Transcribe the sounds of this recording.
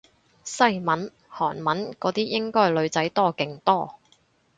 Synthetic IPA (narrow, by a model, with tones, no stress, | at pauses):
sɐ˥jmɐ˨˥n | hɔː˨˩nmɐ˨˥nkɔː˨˥t̪iː˥jɪ˥ŋkɔː˥lɵ˨˧ɥt͡sɐ˨˥jt̪ɔː˥˩kɪ˨˧ŋt̪ɔː˥